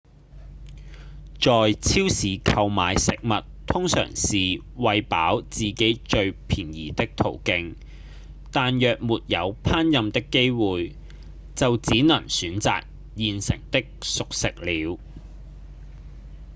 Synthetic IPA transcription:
t͡ʃɔː˨jt͡sʰiː˥wsiː˨˥kʰɐ˧wmaː˨˧jsɪ˨k̚mɐ˨t̚t̪ʰʊ˥ŋsœ̰ː˨˩ŋsiː˨ | wɐ˨jpa̰ː˨˥wt͡siː˨ke˨˥jt͡ʃɵ˧ɥpʰiː˨˩njḭː˨˩t̪ɪ˥k̚t̪ʰo˨˩wkɪ˧ŋ | t̪aː˨njœː˨k̚muː˨t̚jɐ˨˧wpʰaː˥njɐ˨˧mt̪ɪ˥kːe˥jwuː˨j | t͡sɐ˨wt͡siː˨˥nɐ˨˩ŋsyː˨˧˥nt͡sa̰ː˨k̚ | jiː˨nsɪ̰˨˩ŋt̪ɪ˥k̚sʊ˨k̚sɪ˨k̚liː˨˥w

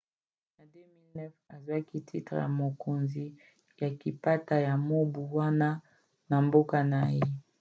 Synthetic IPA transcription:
na˨de˦mi˦lnɛ˦fa˨zwa˦ki˦tʰḭ˦tʁḛ˨ja˨mo˨kʰo˨nzi˨ | ja˨ki˨pa˦ta˨ja˨mo˦bu˨wa˦na˦ | na˨mbo˦ka˨na˨je˦

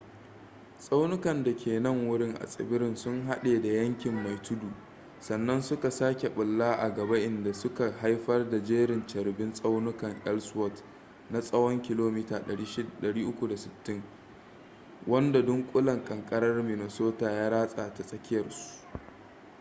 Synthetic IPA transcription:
sʼa˦wnʊ˦kɐ˨nda˨kʲʰeː˨nɐ˦ŋwʊ˦ɽɪ˦ŋʔa̰˨sʼɪ̰˨bɪ˦ɾɪ˦nsʊ˦ŋɦa˦ɗeː˨da˨jɐ˦ŋkʲɪ˨mːa˨jtʰʊ˦duː˨ | sɐ˨nːɐ˦nsʊ˦ka˨saː˦kʲe˨ɓʊ˨lːaː˦ʔa˨ɡɐ˨ba˦ʔɪ˨nda˨sʊ˦ka˨ha˦jɸɐ˦rda˨d͡ʒeː˦ɾɪ˨nt͡ʃɐ˨ɾbɪ˦nsʼa˦wnʊ˦kɐ˨ŋʔɛ˦lswɔ˦˨t | na˦sʼɐ˦wɔ˦ŋkʲɪ˦loː˦miː˦taː˨ɗɐ˨ɽiː˦ʃɗɐ˨ɽiː˦ʔʊ˦kʷu˨da˨sɪ˨btːɪ˦ŋ | wɐ˦nda˨dʊ˦ŋkʷʼʊ˦lɐ˨ŋkʼɐ˨ŋkʼɐ˦ɾɐ˦rmɪ˨ne˨soː˦taː˨jaː˦ɾaː˦sʼaː˨ta˨sʼɐ˦kʲɪ˦jɐ˨rsu̥˨ʔ

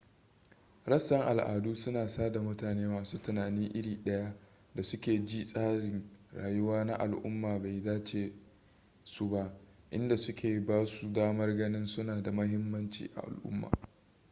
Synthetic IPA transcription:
ɾɐ˦sːɐ˦ŋʔa̰˨lʔa̰ː˨duː˦sʊ˦naː˨saː˦da˨mʊ˦taː˨neː˦waː˨suː˦tʊ˨naː˨ni˦ŋʔɪ˦ɽiː˨ɗɐ˦ja˦ | da˨sʊ˦kʲeː˨d͡ʒiː˦sʼaː˦ɽɪ˨ŋɽaː˨jʊ˦waː˦na˦ʔa˨lʔʊ̰˦mːaː˨ba˨jzaː˦t͡ʃeː˨ | su˦ba˦ʔ | ʔɪ˦nda˨sʊ˦kʲʰeː˨baː˦su˨daː˦mɐ˦rɡɐ˦nɪ˦nsʊ˦naː˨da˨mɐ˦ɦɪ˦mːɐ˦nt͡ʃḭː˨ʔa̰˨ʔa̰˨lʔʊ̰˦mːa̰ː˨

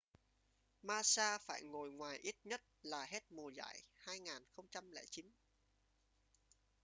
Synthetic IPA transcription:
maː˧saː˧fa̰ː˧˩jŋo˨˩jŋwaː˨˩jʔi˦˥t̚ɲə˦˥t̚laː˨˩ɦe˦˥t̚mu˨˩za̰ː˧˨jhaː˧jŋaː˨˩nxə˧wŋ͡mt͡ɕa˧mlɛ̰ː˧˩t͡ɕi˨˦n

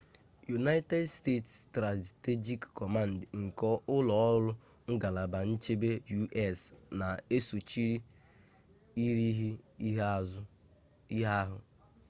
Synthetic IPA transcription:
ju˨na˦ɪ˦te˦dste˦˨tstɾa˨te˦d͡ʒi˦kkɔ˨ma˦n̩˨dŋ̩˨kɔ˦ʔʊ˦lɔ˨ɔ˦lʊ˦ | ŋ̩˦ɡa˨la˨ba˨n̩˦t͡ʃe˦be˦ju˦ʔɛ˦˨sna˨e˦su˨t͡ʃi˦ɾi˦ | i˦ɾi˦ɦi˦ɦa˦zʊ˦ | i˦ɦa˦ɦʊ˨

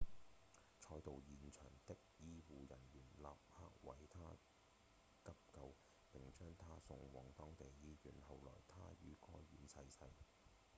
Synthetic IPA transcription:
t͡ʃʰɔː˧˥jt̪o˨˧wjiː˨nt͡ʃʰœ̰ː˨˩ŋt̪ɪ˥k̚jiː˥wuː˨jɐ˨˩nɥyː˨˩nla̰ː˨p̚haː˧˥k̚wɐ˨˥jt̪ʰaː˥ | kɐ˥p̚kɐ˧w | pɪ˨ŋt͡ʃœː˥ŋt̪ʰaː˥sʊ˧ŋwɔː˨˩ŋt̪ɔː˥ŋt̪e˨jːiː˥jyː˨˧nhɐ˨wlɔ̰ː˨˩jt̪ʰaː˥jy̰ː˨˥kɔː˥jɥyː˨˥nsɐ˧jsɐ˧j

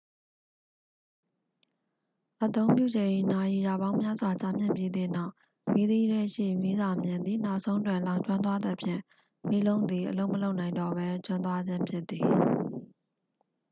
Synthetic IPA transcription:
ʔət̪õ˦ʊ̃mpjṵ˦˨d͡ʑẽ˨ʔi˨na˨ji˨ja˨βã˦ʊ̃mja˦zwa˨t͡ɕa˦mjɪ̰̃˦˨mpji˦d̪ɪ̰̃˦˨na˦ʊ | mi˦d̪i˦ɾɛ˦˨ʃḭ˦˨mi˦za˨mjɪ̃˨nd̪i˨na˦ʊʔsõ˦ʊ̃ntwɪ̃˦˨lã˨ʊ̃ɲt͡ɕwã˦nt̪̬wa˦d̪ə˨pʰjɪ̰̃˦˨ | mi˦lõ˦ʊ̃nd̪ði˨ʔəlo˦ʊʔmə˨lo˦ʊʔnã˨ɪ̃ndɔ˦˨bɛ˦t͡ɕwã˦nt̪wa˦d͡ʑɪ̃˦mpʰjɪ˦t̪ːi˨

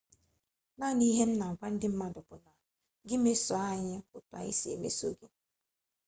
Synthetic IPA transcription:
na˦˨ni˦ɦe˦m̩˦na˨ŋ̩˨kʷa˦n̩˦dɪ˦m̩˦ma˦dʊ˨pʊ˨na˨ | ɡɪ˦me˦so˨a˦ɲɪ˦kʊ˨ta̰˨ḭ˦se˨mḛ˦so˦ɡe˦

